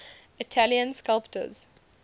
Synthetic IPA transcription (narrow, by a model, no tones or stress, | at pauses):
ɪtʰæliə̃nskalptə̰z̥